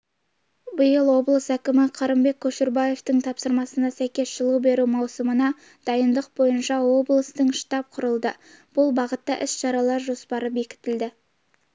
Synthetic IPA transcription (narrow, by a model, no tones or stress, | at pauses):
bəjəlˠwo̞blˠəsækʲɪmɪqʰɑɾəmbe̞kʲʰːɵʃɪɾbɑje̞ft̪ɪŋt̪ʰɑpsəɾmɑsənɑsæjkʲe̞sʒəlˠuwbe̞ɾumɑwsəmənɑ | d̪̥ɑjənd̪əq̚bo̞jənʃɑwo̞blˠəst̪əɴʃt̪ɑp̚qʰʊɾəlˠd̪ə | b̥ʊlˠbɑʁət̪ːɑʔɪsʃɑɾɑlˠɑɾʒo̞spɑɾəbe̞kʲɪ̥t̪ɪld̪ɪ